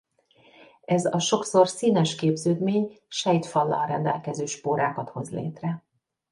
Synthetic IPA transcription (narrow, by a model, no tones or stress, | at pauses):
ɛzɒʃo̞kso̞rsiːnɛʃkeːbzøːd̪meːɲ | ʃɛjt̪fɒlːɒ̰lrɛnd̪ɛ̰lkɛzøːʃpoːɾaːkɒt̪ho̞zlḛːt̪rɛ